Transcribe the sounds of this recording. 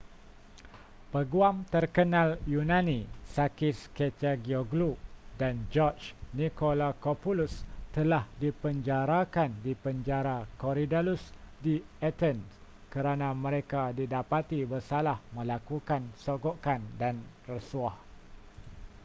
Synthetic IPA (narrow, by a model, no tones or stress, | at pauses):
pəɡuamt̪ərkənãljunãnĩsakɪsket͡ʃaɡioɡlup̚dand͡ʒɔt͡ʃnikolakopulust̪əlahdipəɲd͡ʒaɾakandipəɲd͡ʒaɾakoɾidalusdiat̪ənskəɾanãmə̃ɾekadidapat̪ibərsalahmə̃lakukansoɡoʔkandan | rəsuah